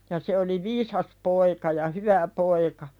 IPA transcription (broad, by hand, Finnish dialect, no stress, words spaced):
jɑ se oli ʋiːsɑs poikɑ jɑ hyʋæ poikɑ